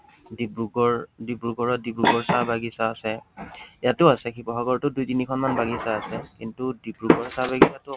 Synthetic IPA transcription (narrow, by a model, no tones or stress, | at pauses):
dibɹuɡɔɹdibɹuɡɔɹɔdibɹuɡɔɹsabaɡisaːsɛjatʊasɛkʰipɔxaɡɔɹtʊdujtinikʰɔnmanbaɡisaːsɛkintudibɹuɡɔɹsabaɡisatʊ